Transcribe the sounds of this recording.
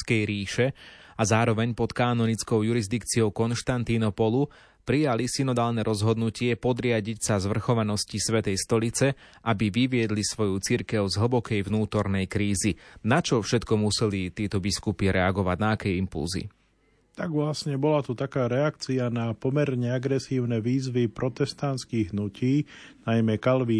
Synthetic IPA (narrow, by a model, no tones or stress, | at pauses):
kɛjɾiːʃɛazaːɾɔʋɛɲpɔt̪kaːnɔnit͡skɔʊjuɾizd̪ikt͡siɔʊkɔnʃt̪ant̪inɔpɔlu | pɾijalisinɔd̪aːlnɛɾɔzɦɔd̪nucɪɛpɔd̪ɾɪaɟicsazʋr̩xɔʋanɔscisʋɛt̪ɛjst̪ɔlit͡sɛ | ʔabiʋiʋɪɛd̪lisʋɔjut͡siɾkɛʊzɦl̩bɔkɛjʋnuːt̪ɔɾnɛjkɾiːzinat͡ʃɔfʃɛt̪kɔmusɛlit̪ɪɛt̪ɔbiskupiɾɛaɡɔʋaɟnaːkɛjimpṵlzḭ | t̪aɡʋlasɲɛbɔlat̪ut̪akaːɾɛakt͡sianapɔmɛɾɲɛaɡɾɛsiːʊnɛʋiːzʋipɾɔt̪ɛst̪ant̪skiɣɦnuciːnajmɛkalʋi